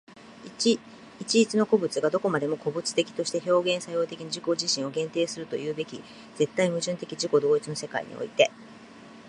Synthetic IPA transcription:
it͡ɕiit͡sɨno̞ko̞bɯ̟t͡sɨɡad̪o̞ko̞mad̪e̞mo̞ko̞bɯ̟t͡sɨ̥t̪e̞kʲi̥t̪o̞ɕi̥t̪eço̞ːɡẽ̞ɰ̃sajo̞ːt̪e̞kʲiɲ̟aʑiko̞ʑiɕĩɰ̃o̞ɡẽ̞nt̪e̞ːsɨɾɯ̟t̪o̞̰jɯ̟ːbe̞kʲi | ze̞t̪ːaimɯ̟ʑɨ̃nt̪e̞kʲiʑiko̞d̪o̞ːit͡sɨno̞se̞ka̰ḭɲ̟ḭo̰it̪e̞

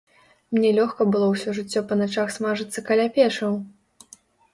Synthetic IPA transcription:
mnʲɛlʲɔxkɐbɨlˠɔwsʲɔʐɨt͡sʲːɔpɐnat͡ʂaxsmaʐɨt̪sːɐkalʲapʲɛʂɐw

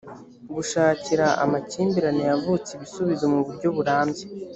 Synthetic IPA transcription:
ɡuʃaːciɾaa̰maciːmbiɾanejavut͡seβisuβizomuβuɾɟo̞βuɾaːmbje

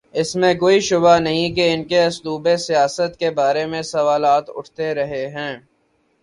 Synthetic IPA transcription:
ɪsmẽkoːiʃʊbanɐɦĩkeɪnkeɐsluːbesijaːsət̪kebaːɾemẽsɐʋaːlaːt̪ʊ̰ʈʰt̪eɾɐɦeɦɛ̃ː

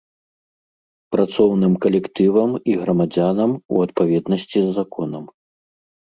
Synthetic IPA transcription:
pɾat̪sɔwnɨmkɐlʲɛkt̪ɨvɐmiɣɾɐmad͡zʲanɐmṵɐt̪̚pavʲɛd̪nɐsʲt͡sʲizːakɔnɐm

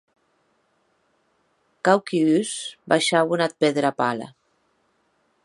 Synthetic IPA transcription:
kawkiysbaʃawunat̪̚peðɾapala̰

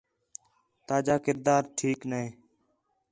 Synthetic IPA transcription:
t̪aːd͡ʒaːkɪɾd̪aːɾʈʰiːknəeː

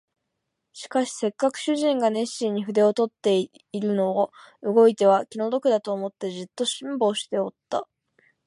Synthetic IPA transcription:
ɕi̥kaɕi̥se̞kːakɯ̟̥ɕɨʑĩŋɡane̞ɕĩɲ̟ːiɸɯ̟d̪e̞o̞t̪o̞t̪ːe̞ | iɾɯ̟no̞ːɯ̟ɡo̞it̪e̞β̞akʲino̞d̪o̞kɯ̟d̪at̪o̞ːmo̞t̪ːe̞ʑɨt̪ːo̞ɕĩmbo̞ːɕi̥t̪e̞o̞t̪ːa

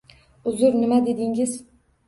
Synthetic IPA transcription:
ʊzʊɾnɪmad̪ed̪ɪŋɪz

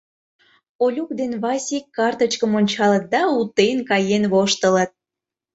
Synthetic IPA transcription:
olʲuk̚d̪enβɑsʲikːɑrt̪ət͡ɕkəmonʲt͡ɕɑlət̪̚d̪ɑut̪enkɑjenβoʃt̪ələt̪̚

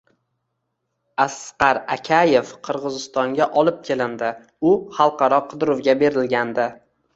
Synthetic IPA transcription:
asqɑɾakʲʰaje̞fqʰɨɾʁɨzɪst̪ɒŋɡʲaʔɒlˠɪp̚kʲʰe̞lɪnd̪ɪ | ʊχɑlˠqʰɑɾɒqʰɨd̪ɾʊwɡʲabe̞ɾɪlɡʲand̪ɪ

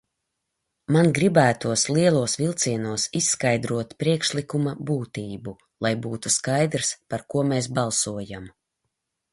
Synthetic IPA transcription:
manɡɾibæːt̪uɔsliɛlˠuɔsvilˠt̪siɛnuɔsisːkajd̪ɾuɔt̪pɾiɛkʃlˠikumabuːt̪iːbu | lˠajbuːt̪uskajd̪ɾspaɾkuɔmeːs̬bɑlˠsuɔjam

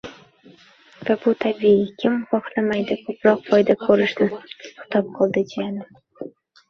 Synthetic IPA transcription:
vabut̪ʰabiikʲʰɪmχɒχlamajd̪ɪkʰɵpɾɒqfɒjd̪akʰɵɾɪʃnɪʊ̥t̪ʰɒp̚qʰɑlˠd̪ɪd͡ʒijanɪ

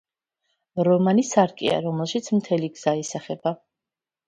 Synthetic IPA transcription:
ɾɔmanisaɾkʼḭa̰ɾɔmɛlˠʃit̪sʰmt̪ʰɛliɡz̥aisaχɛba

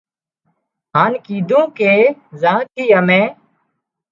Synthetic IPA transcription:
ɦaːnkiːd̪ʱũːkeːzãːt̪ʰiːəmẽː

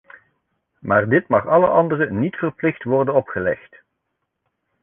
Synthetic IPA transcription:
maːrdɪtmɑχɑləʔɑndərənitfərplɪxtʋɔrdənɔpχəlɛ̰xt

